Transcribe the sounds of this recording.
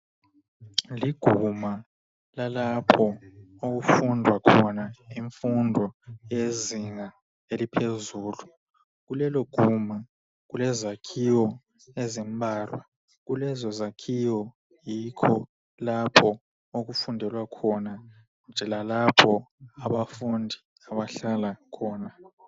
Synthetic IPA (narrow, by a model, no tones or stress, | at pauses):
liɡ̥ʱuma | lalapʰɔok̬ufundʱwakʰɔnaiɱfundʱɔjeziŋa | elipʰezuːlu | k̬ulɛlɔɡ̥ʱuma | k̬ulɛzakʰiwɔ | ezimbʱaːlwa | k̬ulɛzɔzakʰiwɔ | jikʰɔ | lapʰɔ | ok̬ufundʱɛlwakʰɔna | nd͡ʒʱɛlalapʰɔaɓafundʱi | aɓaɬalakʰɔːna